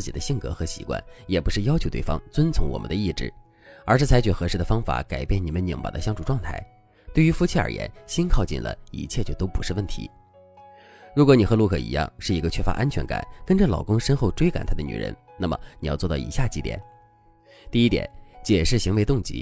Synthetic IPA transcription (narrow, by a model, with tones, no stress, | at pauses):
ɹ̩˥˩t͡ɕi˨˩d̪ə˦ɕi˥˩ŋkɤ̰˧˥xɤ˧˥ɕi̥̰˧˥kwa̰˥˩njɛ˨˩pu˧˥ʂɻ̩˥˩jɑ˥ʊt͡ɕʰo˧˥ʊe˥˩ɪfɑ̰˥ŋt͡swə˥nt͡sʰʊ˧˥ŋwɔ̰˨˩mə˦nd̪ə˧i˥˩ʈ͡ʂɻ̩˥˩ | ə˞˧˥ʂɻ̩˥˩t͡sʰa˧˥t͡ɕʰy˨˩xɤ˧˥ʂɻ̩˥˩d̪ə˩fɑ˥ŋfa̰˨˧˩ka˨˩ɪpjɛ˥˩ni˨˩mə˦nji˨˩ŋpa̰˨˩d̪ə˦ɕjɑ˥ŋʈ͡ʂu˨˩ʈ͡ʂwɑ˥˧ŋt̪ʰa˥˩ɪ | t̪we˥˩ɪy˧˥fu˧˥t͡ɕʰi˥ə̰˞˨˩jɛ̰˧˥nɕi˥nkʰɑ˥˧ʊt͡ɕḭ˥˩nlə̰˩ḭ˧˥t͡ɕʰjɛ˥˧t͡ɕjo˥˩ʊt̪o˥ʊpu˧˥ʂɻ̩˥˧wə˥˩nt̪ʰḭ˧˥ | ɻu˧˥kwɔ˧˥ni˨˩xɤ˧˥lu˥˩kʰɤ˥˩ḭ˧˥jɑ̰˥˩ŋʂɻ̩˥˩i˧˥ɡə˧t͡ɕʰɥɛ˥˩fa̰˧ʔa˥nt͡ɕʰɥɛ˧˥nka̰˨˩˦nkə˥nʈ͡ʂə˧˨lɑ˨˩ʊkʊ˥ŋʂə˥nxo˥˧ʊʈ͡ʂwe˥ɪka˨˩nt̪ʰa˥d̪ə˧ny̰˨˩ɻə̰˧˥n | na˥˩mə̰˩ni˨jɑ˥˧ʊt͡swɔ˥˧t̪ɑ˥˩ḭ˧˥ɕja˥˩t͡ɕi˧˥t̪jɛ̰˨˩˦n | t̪i˥˧i˥t̪jɛ̰˨˩˦nt͡ɕjɛ˨˩ʂɻ̩˥˩ɕi˧˥ŋwe˧˥ɪʊ˥˩ŋt͡ɕḭ˧˥